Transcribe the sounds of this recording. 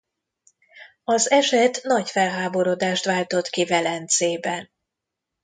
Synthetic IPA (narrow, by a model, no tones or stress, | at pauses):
ɒzɛʃɛt̪nɒcfɛlɦaːbo̞ɾod̪aːʃt̪ʋaːlt̪o̞t̪kivɛlɛnt̪seːbɛn